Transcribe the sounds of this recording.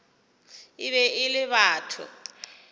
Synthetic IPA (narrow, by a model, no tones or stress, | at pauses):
ɪβɛʔɪlɪβaːtʰʊ̰